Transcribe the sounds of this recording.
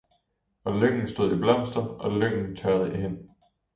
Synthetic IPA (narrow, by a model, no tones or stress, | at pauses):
ʔɒ̽løŋ̰n̩sd̥o̝ð̞̰ˠib̥lɑm̰sd̥ɐɒ̽løŋ̰n̩t͡sʰɛð̞̩ˠəʔiɦen